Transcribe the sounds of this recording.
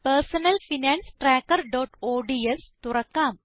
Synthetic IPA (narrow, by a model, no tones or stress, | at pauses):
pəɾsənəlfinɛ̃nsʈɾækəɾɖɔʈoɖiest̪uɾɐkːam